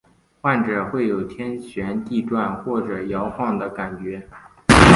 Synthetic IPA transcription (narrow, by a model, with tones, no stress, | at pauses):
xwa˥˩nʈ͡ʂɤ˨˩xwe˥˩ɪjo˨˩ʊt̪ʰjɛ˥nɕɥɛ˧˥nt̪i˥˧ʈ͡ʂwa˥˧nxwɔ˥˩ʈ͡ʂɤ˨˩jɑ˧˥ʊxɑ˥˩ŋd̪ə˩ka˨˩nt͡ɕɥɛ˧˥